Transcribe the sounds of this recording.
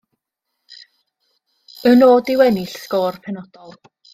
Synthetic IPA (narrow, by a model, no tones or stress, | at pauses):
ənoːdɪwɛnɪɬskoːrpʰɛnɔd̥ɔlˠ